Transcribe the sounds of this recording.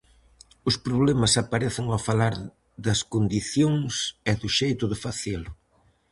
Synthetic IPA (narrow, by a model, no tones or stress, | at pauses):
ʊspɾoβlɛmɐsapaɾɛθɪŋawfalaɾ | ðɐskond̪iθjoŋsɛðʊʃejt̪ʊðɪfaθelʊ